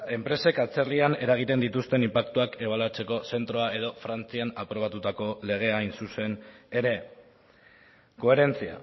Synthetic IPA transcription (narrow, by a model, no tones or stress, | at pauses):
e̞mpɾe̞se̞kat͡se̞rliane̞ɾaɣ̞it̪e̞nd̪it̪ust̪e̞nimpakt̪uake̞β̞alat͡se̞ko̞se̞nt̪ɾo̞ae̞ð̞o̞fɾant͡sianapɾo̞β̞at̪ut̪ako̞le̞ɣ̞e̞ajnsuse̞ne̞ɾe̞ | ko̞e̞ɾe̞nt͡sia̰